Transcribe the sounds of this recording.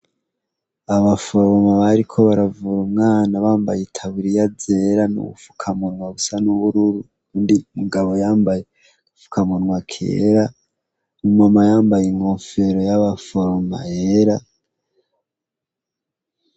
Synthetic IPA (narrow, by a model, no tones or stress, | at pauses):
aβafoɾomaβaɾikʰo̞βaɾavuɾumŋaːnaβaːmbajetʰaβiɾijad͡ze̞ɾanṵβṵfu̥kʰamunŋwaβusanuβuɾuɾu | kuːndimuɡaβo̞jaːmbaje | ɡufu̥kʰamunwakʰḛːɾa | mumamajaːmbajeŋɡoːɱfe̞ɾo̞jaβafoɾoma̰eɾa